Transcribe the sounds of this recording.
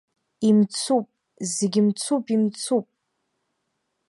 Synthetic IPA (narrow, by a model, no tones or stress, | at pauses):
imt͡sʰupʼ | zeɡʲɪmt͡sʰupʼimt͡sʰupʼ